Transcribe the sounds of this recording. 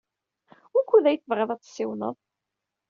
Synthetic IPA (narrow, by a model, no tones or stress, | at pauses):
ʊɾkːuðæjəθəvʁɪðˤæt͡sːˤsːɪwnə̰ðˤ